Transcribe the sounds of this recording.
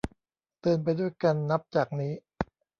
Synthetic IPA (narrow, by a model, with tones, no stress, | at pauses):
t̪ɯː˧ənp̬a˧jdu˥˩əjka˧nːa˦˥p̚t͡ɕaː˨˩k̚niː˦˥